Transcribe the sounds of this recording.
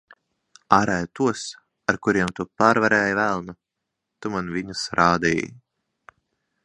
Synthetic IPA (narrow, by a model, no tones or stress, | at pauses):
aːɾɛjt̪uɔs | aɾkuɾiɛmt̪upaːɾvaɾɛːjvælˠnu | t̪umanvʲiɲusɾaːd̪ḭːj̰